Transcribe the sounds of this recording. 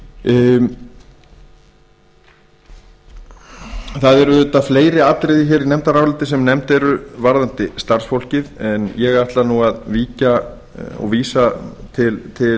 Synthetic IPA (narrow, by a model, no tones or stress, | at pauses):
θaðɛɾʏʏt̪aðfleːjɾɪat̪ɾejðɪçɛːɾinɛmt̪aɾavɾlat̪ɪsɛmnɛmt̪ɛɾʏvaɾðant̪ɪst̪aɾ̥sfowl̥cɪðɛnjɛɣaht̪lanuɣaðviːca | ɔ̰ɣviːsat̪ʰɪlt̪ʰɪ